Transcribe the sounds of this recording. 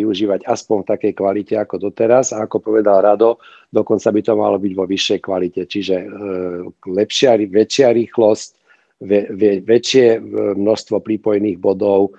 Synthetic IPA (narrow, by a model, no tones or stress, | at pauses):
iuʒiːʋaɟaspɔnft̪akɛjkʋalicɛakɔd̪ɔt̪ɛɾazaːkɔpɔʋɛd̪alɾad̪ɔ | d̪ɔkɔnt͡sabit̪ɔma̰lɔbiɟʋɔʋiʃːɛjkʋalicɛt͡ʃiʒɛ | lɛpʃɪaiʋɛt͡ʃɪaɾiːxlɔsc | ʋɛʋɛʋɛt͡ʃɪɛmnɔʃst̪ʋɔpɾipɔjɛniːɣbɔd̪ɔʊ